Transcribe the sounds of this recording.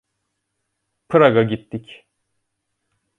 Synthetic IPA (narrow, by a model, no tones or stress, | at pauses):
pʰɯɾaɡaɟit̪ːic